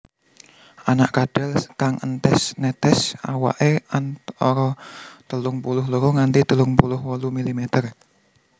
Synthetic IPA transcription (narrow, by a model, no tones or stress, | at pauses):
ʔanaʔkaɖ̥ɛlkaŋənt̪ɛsnɛt̪ɛsa̰wa̰ʔeanɔɾɔt̪əlʊŋpulʊhləɾoŋant̪it̪əlʊŋpulʊhwɔlumilimet̪ər